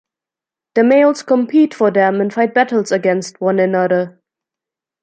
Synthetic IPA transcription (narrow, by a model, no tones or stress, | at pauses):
ðəmeɪlˠz̥kʰə̃mpʰitfə˞ðə̃mə̃nfaɪt̚b̥æɾəl̩ˠzəɡɛ̃nst̚wʌ̃nɨ̃nʌðə˞